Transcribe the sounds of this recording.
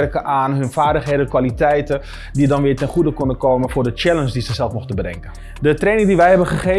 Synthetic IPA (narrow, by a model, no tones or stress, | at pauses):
rkəʔaːnɦɵnfaːɹdəχɦeːdənkʋalitɛjtən | didɑnʋɪːɹtɛnχudəkɔndəkoːmənfʊːɹdət͡ʃɛlənsdizəzɛlˠfmʊxtənbədɛ̰ŋkən | dətreːnɪŋdiʋɛjɦɛbənχəχe